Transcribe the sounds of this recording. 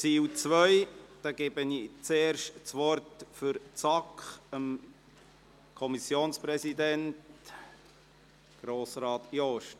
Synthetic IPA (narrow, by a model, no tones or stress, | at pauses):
t͡siːwt͡sʋœʏd̥ɑːɡɛːbənit͡seːɾʃtt͡sʋɔɾtfyɾt͡sɑkχəm | kʰɔmisjoːnspɾɛsidɛnt | ɡ̥ɾoːsɾɑːt̪jɔʃt